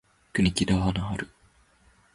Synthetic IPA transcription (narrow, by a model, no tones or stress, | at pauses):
kɯnʲikʲid̪aβanaɦaɾɯ̟